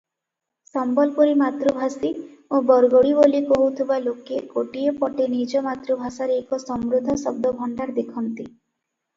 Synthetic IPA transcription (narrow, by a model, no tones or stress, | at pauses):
sɔmbɔlpɔɾimat̪ɾubʱasiobɔɾɡɔɽibolikɔɦut̪ʰibalokekoʈiepɔʈenid͡ʒɔmat̪ɾubʱasaɾeekɔsɔmɾud̪ʱːɔsɔb̚d̪ɔbʱɔɳɖaɾd̪ekʰɔnt̪i